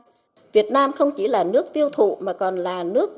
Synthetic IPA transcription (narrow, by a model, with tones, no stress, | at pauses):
vi˨˩ət̚naː˧mxə˧wŋ͡mt͡ɕi˧˩laː˨˩nɨ˦˥ək̚t̪i˧əwt̪ʰṵ˧˨maː˨˩kɔ˨˩nlaː˨˩nɨ˦˥ək̚